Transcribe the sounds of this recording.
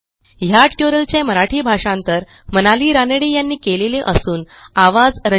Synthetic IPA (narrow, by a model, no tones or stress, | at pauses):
jaʈʈjoɾəlt͡ɕeməɾaʈʰiːbʱaʂãnt̪əɾ | mənaliːɾanəɽiːjanːiːkeleleʔəsuːn | aʋad͡zɾə